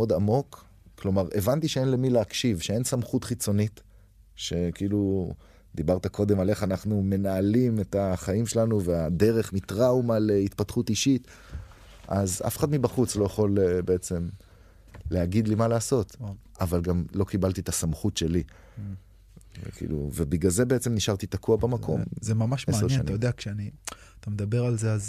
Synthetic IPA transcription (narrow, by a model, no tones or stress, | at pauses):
o̞d̪amo̞k | klo̞maʁe̞vant̪iʃeenle̞mileakʃivʃee̞nsamχut̪χit͡so̞nit̪ | ʃe̞kiilu | d̪ibaʁt̪ako̞d̪e̞male̞χanaχnume̞naːlimet̪aχaimʃelanuvead̪e̞ʁe̞χmit̪ʁawmaleit̪patχut̪iʃit̪ | aza̰feχad̪mibaχut͡slo̞jaχo̞lebe̞et͡se̞m | leaɡid̪limalaːso̞t̪ | avalɡamlo̞kibalt̪it̪asamχutʃe̞li | kḭːlṵvebiɡalze̞beet͡semniʃaʁt̪it̪akʰuabemakʰo̞̰mzemamaʃmasanjea̰najod̪eakʃeaniat̪amed̪abe̞ʁalzeaz